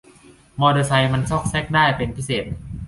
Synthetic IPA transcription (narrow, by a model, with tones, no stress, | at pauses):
mɔː˧dɤː˧sa˧jma˧nt͡ɕɔ˥˩k̚sɛ˦˥k̚daː˥˩jpe˧npʰi˦˥seː˨˩t̪̚